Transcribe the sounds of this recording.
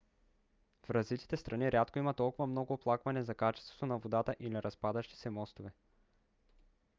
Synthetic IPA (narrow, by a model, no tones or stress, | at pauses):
fɾɐzvit̪i̥t̪ɛst̪ɾʔɐniɾʲat̪koimɐt̪ːɔlˠkʊvɐmnɔɡoːplˠakvɐnɛzɐkat͡ʃɛ̥st̪vo̥t̪onɐvod̪at̪əʔiliɾɐspad̪əʃt̪i̥sɛmɔst̪ovɛ